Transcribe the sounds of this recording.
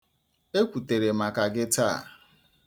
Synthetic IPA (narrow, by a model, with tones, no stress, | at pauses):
e˦kʷu˨te˨ɾe˨ma˨ka˨ɡɪ˦ta̰˦˨